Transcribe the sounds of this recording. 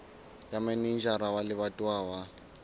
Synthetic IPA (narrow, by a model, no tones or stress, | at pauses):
jamɛnind͡ʒaɾawalɪβatʼwaːwa